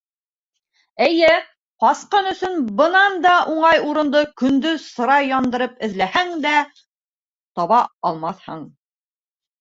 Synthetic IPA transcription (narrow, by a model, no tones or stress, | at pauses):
ɘ̆jɘ | qɑsqɤnɵ̆sɵnbɤ̆nɑnd̪ɑʔuɴɑjuɾɤ̆nd̪ɤkɵ̆nd̪ɵsɤ̆ɾɑjːɑnd̪ɤ̆ɾɤpɘ̆ðlæhæŋd̪æ | t̪ɒβɑɑlˠmɑθhɤ̰ɴ